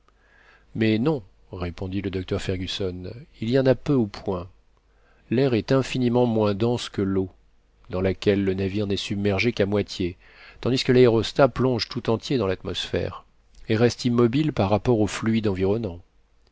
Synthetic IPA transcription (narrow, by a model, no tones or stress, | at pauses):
mɛnɔ̃ | ʁepɔ̃d̪iləd̪ɔk̚t̪œʁfɛʁɡʲysɔnilijɑ̃napøupʰwɛ̃ | lɛʁɛt̪ɛ̃finimɑ̃mwɛ̃d̪ɑ̃skəlo | d̪ɑ̃lakʲɛlːənaviʁnɛsybmɛʁʒekamwat̪je | t̪ɑ̃d̪iskəlaeʁɔst̪aplɔ̃ʒt̪ut̪ɑ̃t̪jed̪ɑ̃lat̪mɔsfɛ̰ʁ | eʁɛst̪imːɔbilpaʁːapɔʁoflɥid̪ɑ̃viʁɔnɑ̃